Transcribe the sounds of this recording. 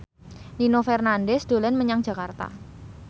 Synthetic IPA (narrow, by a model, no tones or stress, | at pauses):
ninofɛrnandɛsd̪̥o̤lɛnməɲaŋ̥d͡ʒ̥ä̤kart̪a̰